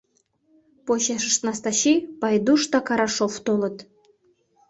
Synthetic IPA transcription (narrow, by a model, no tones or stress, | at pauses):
poɕeʃə̆ʃt̪nɑst̪ɑɕipɑjd̪uʃt̪ɑkɑɾɑʃoft̪olɤ̆t̪